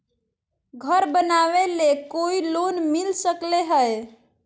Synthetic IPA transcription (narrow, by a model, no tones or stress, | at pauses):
ɡʱəɾbənaʋelekoilonmilsəkleɦəj